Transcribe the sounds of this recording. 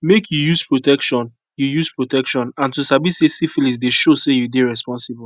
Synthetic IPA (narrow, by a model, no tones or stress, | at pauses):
mekʰjujuspɹotɛkʃɔ̃n | jujuspɹotɛkʃɔ̃nãntusabisesifilis̬deʃosejudeɹɛspɔ̃nsib